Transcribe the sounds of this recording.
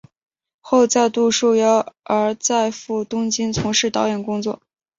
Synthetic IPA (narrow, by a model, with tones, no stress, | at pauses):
xo˥˧ʊt͡sa˥˧ɪt̪u˥˧ʂu˥˩jɑ˥˩ʊə˞˧˥t͡sa˥˧ɪfu˥˩t̪ʊ˥ŋt͡ɕi˥nt͡sʰʊ˧˥ŋʂɻ̩˥˩t̪ɑ˧˥ʊjɛ˨˩nkʊ˥ŋt͡swɔ˥˩